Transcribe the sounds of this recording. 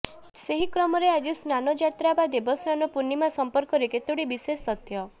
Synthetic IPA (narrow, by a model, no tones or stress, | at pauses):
seɦikɾɔmɔɾead͡ʒisnanɔd͡ʒat̪ɾabad̪ebɔsnanɔpunimasɔmpɔɾkɔɾeket̪uɽibisest̪ɔt̪ʰjɔ